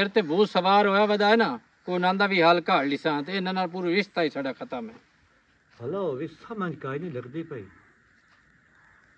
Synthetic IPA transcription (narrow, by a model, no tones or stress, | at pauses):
eːɾt̪eːbʱuːtsəʋaːɾɦoːjaːʋəd̪aːeːnaː | koːnãːnd̪aːbʱiːɦaːlkaːɦəliːsãːt̪enãːnaːlpuːɾoːɪst̪aːiːsaːɖaːkʰət̪aːmɛ̰̃ː | ɦəloːʋɪsaːmə̃d͡ʒkaːinĩːləɡd̪iːpəḭː